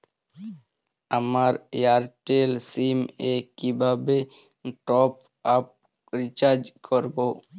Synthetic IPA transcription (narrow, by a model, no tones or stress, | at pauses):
amaɾjaɾʈelsimekibʱabe | ʈɔp | ap̚ | ɾit͡ʃaɾd͡ʒkʰɔɾbo